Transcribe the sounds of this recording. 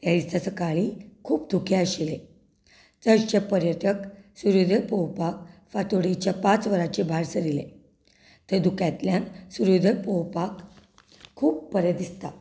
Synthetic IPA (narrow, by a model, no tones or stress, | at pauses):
t̪jad̪ist̪at͡səkaɭikʰuːp̚d̪ʱukʰeəɕile | t̪əɾt͡ɕepəɾjət̪əksuɾud̪ʱəpəwpakfat̪oɽit͡ɕjapãt͡sʋəɾat͡ɕebʱaɾsəd̪ilḛ | t̪əɾd̪ukjãt̪ljãnsuɾud̪ʱəpowpak | kʰːuːpːəɾjəd̪d̪ist̪a